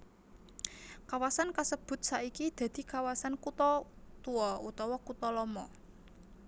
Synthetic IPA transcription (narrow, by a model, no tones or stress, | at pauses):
kawasankasəb̥ʊ̤t̪̚saʔikid̪̥ä̤d̪̥i̤kawasankut̪ɔt̪uɔut̪ɔwɔkut̪ɔlɔmɔ